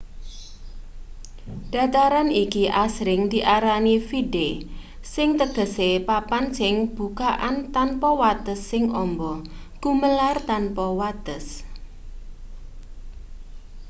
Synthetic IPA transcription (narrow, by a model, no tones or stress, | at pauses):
ɖ̥a̤t̪aɾanikiʔasɾɪŋd̪̥iʔaɾanifide | sɪŋt̪əɡ̥ə̤sepapansɪŋb̥ṳkaʔant̪anpɔwat̪əsːɪŋʔɔmbɔ | ɡ̥uməlart̪anpɔwat̪əs